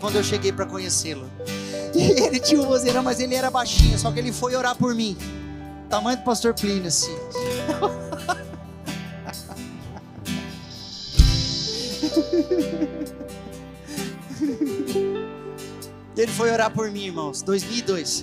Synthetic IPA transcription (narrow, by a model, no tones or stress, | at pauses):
kwɐ̃nd̪ʊewʃeɡejpɾɐkõɲeselʊɪelɪt͡ʃĩɲũbozeɾɐ̃w̃mɐzelɪɛɾɐbajʃĩɲʊsɔkɪelɪfojoɾaɾpoɾmĩ | t̪amɐ̃j̃d̪ʊpast̪oɾplĩnɐsĩ | elɪfojoɾaɾpoɾmĩiɾmɐ̃w̃sd̪ojzmiwid̪ojs